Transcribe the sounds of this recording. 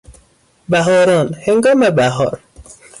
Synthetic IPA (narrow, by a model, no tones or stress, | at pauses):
bæɦɔːɾɔnheŋɡɔːmebæɦɔːɾ